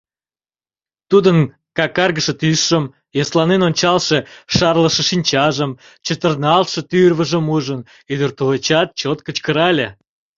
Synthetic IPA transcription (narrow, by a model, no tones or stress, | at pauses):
t̪ud̪ən | kɑkɑrɣəʃĕt̪ysʃəm | joslɑnenonʲt͡ɕɑlʃeʃɑrlə̆ʃĕʃinʲt͡ɕɑʒəm | t͡ɕət̪ərnɑlt̪ʃə̆t̪yrβəʒəmuʒən | yd̪ərt̪ulet͡ɕɑt̪̚t͡ɕot̪kət͡ɕkəɾɑlʲe